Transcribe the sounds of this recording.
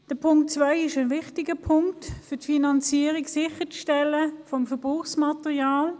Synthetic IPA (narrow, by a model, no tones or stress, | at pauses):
d̥əpʰʊŋk̚tt͡svaɪɪʃənvɪχtɪɡəpʰʊŋktfʏtfinɑnt͡siːəʁiɡsɪχət͡sʃtɛləfɔmfəb̥ʁuːχsmɑtɛʁjaːl